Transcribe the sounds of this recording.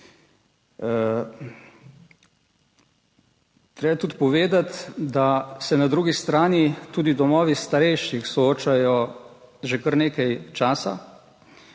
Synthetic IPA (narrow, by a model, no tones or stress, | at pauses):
t̪ɾeːbat̪uːt̪pɔʋeːd̪at̪d̪asɛnad̪ɾuːɡist̪ɾaːnit̪uːd̪id̪ɔmɔːʋist̪aɾɛjʃixsɔoːt͡ʃajɔ | ʒekəɾneːkɛjt͡ʃaːsa